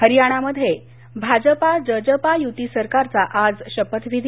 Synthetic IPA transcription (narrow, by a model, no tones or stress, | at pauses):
ɦəɾijaɽ̃aməd̪ʱːje | bʱad͡zəpad͡ʑəd͡ʑəpajut̪isəɾkaɾt͡saʔad͡zɕəpət̪ʋid̪ʱ